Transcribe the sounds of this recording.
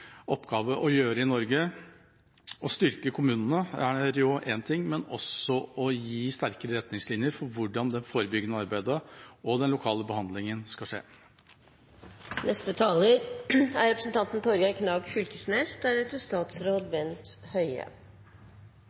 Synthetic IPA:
ɔpːɡɑːʋəʔɔjøːɾəɪnɔɾɡə | ɔst̪ʏɾkəkʰʊmʉːnən̩əæɾjʊʔɛnt̪ʰɪŋːmɛnɔsɔɔjiːst̪æɾkəɾəɾɛt̪nɪŋslɪnjəɾfɔɾʋʊɖɑnd̪ɛnfoːɾəbʏɡənəɑɾbæɪd̪əɔd̪ɛnlʊkʰɑːləbəhɑnd̪lɪŋənskɑʂḛː | nɛst̪ət̪ʰɑːləɾæɾɾɛpɾəsən̩t̪ɑnt̪n̩t̪ʰɔɾɡɑkʰnɑːɡfʏlkəsneːsd̪æɾɛt̪ːəst̪ɑːt̪sɾoːd̪ʋɛnt̪hœʏə̰

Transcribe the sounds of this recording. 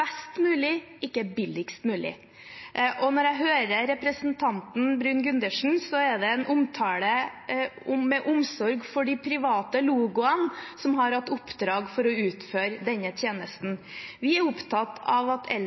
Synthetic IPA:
ɛst̪mʉːlɪɪkːəbɪlɪkst̪mʉːlɪ̰ | ʔɔnɔɾæɪɦøːɾəɾɛpɾəsnt̪ʰɑnt̪n̩bɾʉːnɡʉnd̪əʂn̩sɔɛɖ̪ɛɛnʔʊmt̪ʰɑːɽə | ʊmɛʔʊmsɔɾɡfɔɖɪpʰɾɪʋɑːt̪əluːɡʊənsɔmhɑɾhɑt̪ːʊpːd̪ɾɑːɡfɔɾɔʉːt̪føːɾd̪ɛnːət̪ʰjeːnəst̪n̩ | ʋɪæɾʊpt̪ʰɑt̪ːɑʋɑt̪ʰɛ̰l

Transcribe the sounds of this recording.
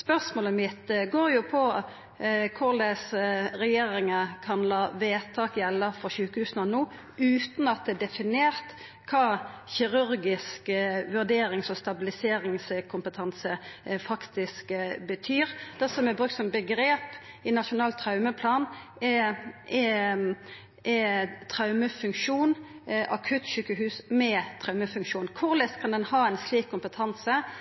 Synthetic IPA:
spœʁsmoːləmɪt̪ɡoːɾjʊpʰɔ | kʰʊʁlɛsɾɛjeːɾɪŋəkʰɑnlɑːʋeːt̪ʰɑːkjɛlːəfɔʁçʉːkəhʉːsnɑnuː | ʉːt̪nɑt̪̚d̪ɛːd̪ɛfɪneːʁt̪ | kʰɑː | çɪʁʉɾɡɪskʋʉʁd̪eːɾɪŋsɔst̪ɑbɪlɪseːɾɪŋskʰʊmpət̪ʰɑnsəfɑkt̪ɪskbət̪ʰyːʁd̪̥ɛsɔmɛbʁʉkt̪sɔmbəɡʁeːp | ɪnɑʃʊnɑːlt̪ʰɾɑʉməpʰlɑːn | ɛʔɛ | ʔɛt̪ʰʁɑʉməfʉŋkʃuːn | ʔɑkʰʉːt̪ʃyːkːəɦʉːsmɛt̪ʰɾɑʉməfʉŋkʃuːnkʰʊʁlɛst̪kʰɑnd̪ɛnhɑːɛɪnsliːkʰːʊmpət̪ʰɑnsə

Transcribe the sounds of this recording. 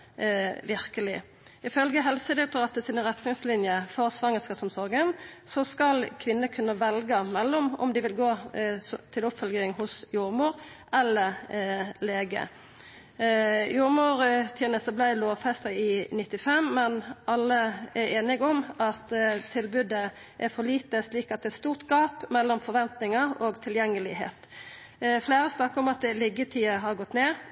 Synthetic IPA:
ʋɪʁkəlɪ | ɪfœlɡəɦɛlsəd̪ɪt̪ʰɔːɑt̪əsɪnʁɛt̪nɪŋslɪnjəfɔʁsʋɑŋəskɑsɔmsɔɾɡənsɔskɑlkʰʋɪnːəkʰʉnːəʋɛlɡəmɛlːɔmɔ̰md̪ɪʋɪlɡoː | t̪ʰɪlʊpfœlɡɪŋhʊsjʊɾmʊːɾ | ɛlːə | leːɡə̰ | jʊɾmʊːɾt̪ʰjɛnəst̪əblæɪloːʋfɛst̪əɪnɪt̪ːɪfɛmːɛnʔɑlːəɛɾeːnɪɡɔmɑt̪t̪ʰɪlbʉd̪ə | ʔæfɔliːt̪əsliːkɑt̪̚d̪ɛɛt̪st̪uːʁt̪ɡɑːpmɛlːɔmfɔɾʋɛnt̪nɪŋəoːɡt̪ʰɪljɛŋːəlɪɦḛːt̪ | fleːɾəsnɑkːəɾɔmɑt̪̚d̪ɛlɪɡət̪ʰiːəɦɑɾɡɔt̪ːneː

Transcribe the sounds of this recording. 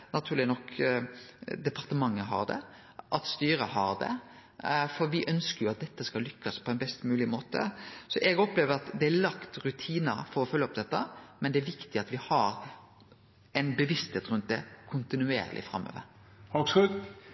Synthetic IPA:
nɑt̪ʰʉːɾlɪnɔk | d̪ɛpɑʁt̪əmɑŋːəɦɑ̰ʁd̪ɛ̰ | ʔɑt̪st̪yːɾəhɑɾd̪ɛ̰ | fɔɾʋɪʔœnskəɾjʊɑt̪̚d̪ɛt̪ːəskɑlʏkːəspʰɔɛnbɛst̪mʉːlɪmoːt̪ə̰sɔʔɛɡɔpːleːʋəɾɑt̪d̪ɛælɑkt̪ɾʉt̪ʰiːnəfɔɾɔfœlːəɔpd̪ɛt̪ːəmɛnd̪ɛæɾʋɪkt̪ɪɑt̪ʋɪhɑɾ | ɛnbəʋɪst̪heːt̪ɾʉnt̪̚d̪ɛkʰʊnt̪ɪnʉḛːɾ̰lʔɪ̰fɾɑ̰mːo̰ːʋə̰ɾ | hɑksʉd̪

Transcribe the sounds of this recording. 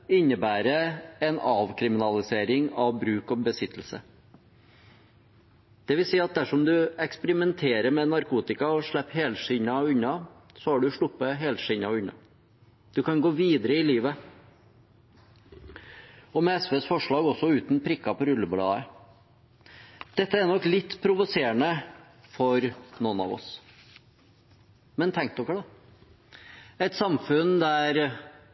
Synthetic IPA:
ɪɲːəbæːɾəɛnɑːʋkʰɾɪmɪnɑlɪseːɾɪŋɑʋbɾʉːkɔbəsɪt̪ʰːl̩sə | d̪̥ɛʋɪlsiːɑt̪̚d̪æʂɔmd̪ʉɛkspəɾɪmɛnt̪ʰeːɾəɾmɛnɑɾkʰuːt̪ɪkɑɔʂɭɛpːheːlʂɪɲɑʉɲːɑ | sɔhɑɖʉʂɭʊpːəɦeːlʂɪɲɑʉɲɑ̰ | d̪̥ʉkɑnɡoːʋiːd̪əɾəɪliːʋə | ɔmɛɛsʋeːsfɔʂɭɑːɡɔsːɔʉːt̪n̩pʰɾɪkːɑpɔɾʉlːəblɑ̰ːə | d̪̥ɛt̪ːəænɔkːlɪt̪ːpʰɾʊʋʊseːnə | fɔɾnɔnɑ̰ʋɔ̰s | mɛnt̪ʰɛŋknɔkːəd̪ɑ | æɪt̪sɑmfʉnd̪æɾ

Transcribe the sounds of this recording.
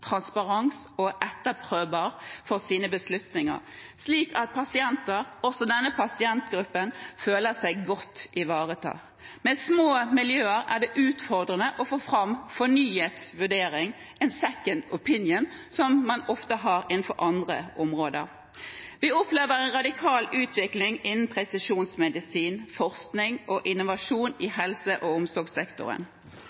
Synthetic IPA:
t̪ʰɾɑnspɑʁɑŋsɔʔɛt̪ːəpʰɾøːʋəʁfɔʁsiːnəbəslʉt̪nɪŋə̰ʁsliːkɑt̪̚pʰɑsɪɛnt̪əɾɔsɔd̪ɛnːəpʰɑsɪɛnt̪ɡɾʉpːənføːləsæɪɡɔt̪ːɪʋɑːʁət̪ʰɑ̰ː | mɛsmoːmɪljøːəɾæɖɛʔʉːt̪fɔʁd̪ʁənəʔɔfoːfɾɑmfɔnyːheːt̪sʋʉɖeːɾɪŋ | ʔɛnsɛkənʊpʰɪnjənsɔmːɑnɔft̪əɦɑːɾɪnn̩fɔɾʔɑnd̪ʁə̰ʔɔmʁoːd̪ə̰ɾ | ʋɪɔpleːʋəɾɛɪnʁɑd̪ɪkʰɑːlʔʉːt̪ʰʋɪklɪŋɪnːn̩pʰʁɛsɪʂuːnsmɛd̪ɪsiːnfɔʁsknɪŋʔɔʔɪnʊʋɑʂuːnɪhɛlsəʔɔʊmsɔɡsɛkt̪ʊ̰ɾə̰n

